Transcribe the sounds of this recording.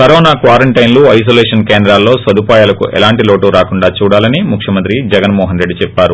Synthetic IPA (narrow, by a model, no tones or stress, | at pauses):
kɐɾɔːnaːkʋaːɾɐɳʈɐjnluːɐjs̬oːlɛːʂɐnkeːnd̪ɾaːlːo̞ːsʋɐd̪upaːjaːlɐkṵʔɛ̰laːɳʈiloːʈuːɾaːkuɳɖaːt͡ʃuːɽaːlɐnimukʂjɐmɐnt̪ɾid͡ʒɛɡɐnmɔːɦɐnɾe̞ɖːit͡ʃɛpːaːɾu